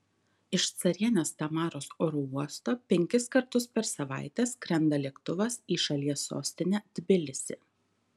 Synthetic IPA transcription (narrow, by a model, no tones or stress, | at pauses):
ɪʃt̪sɐɾʲiɛnʲoːst̪ɐmɑːɾoːsoːɾuːuɔst̪oːpʲɛŋʲkʲɪskɐɾt̪ʊspʲɛɾsɐʋɑ̰ˑɪt̪ʲɛskɾʲɛnd̪ɐlʲiɛkt̪ʊʋɐsiːʃɐlʲiɛsːo̰ːsʲt̪ʲɪnʲæːd̪̥ʲbʲɪlʲɪsʲɪ